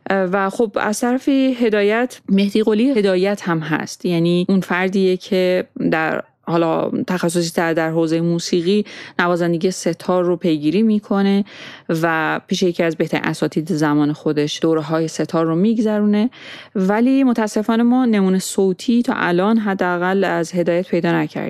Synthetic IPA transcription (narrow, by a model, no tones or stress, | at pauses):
væxobæ̰z̥t̪ʰæɾæfiɦe̞d̪ɒːjæt̪ʰme̞hd̪iːɣoliːhe̞d̪ɒːjæt̪hæmɦæ̰st̪jæːniːʔunfæɾd̪iːjecʰe̞d̪æɾ | hɒːlɒ̰t̪ʰæxæsːo̞s̬it̪æd̪æɾɦoːzejemuːsiːɣiːnævɒːzænd̪e̞ɡijese̞t̪ʰɒːɾːopʰe̞jɡiːɾiːmiːkʰo̞ne̞væpʰiːʃejecʰiæzbe̞ht̪æɾḭʔæsɒːt̪ʰiːd̪ezæmɒːne̞xo̞d̪e̞ʃd̥̪oːɾeɦɒːjese̞t̪ʰɒːrːomiːɡzæɾuːne̞væliːmot̪ʰææsːe̞fɒːne̞mɒːne̞muːnesoːt̪ʰiːt̪ʰɒ̰ːʔælɒːnɦæd̪ːeæɣælæzhe̞d̪ɒːjæt̪pʰe̞jd̪ɒːnæcʰæ̰ɾd̪̥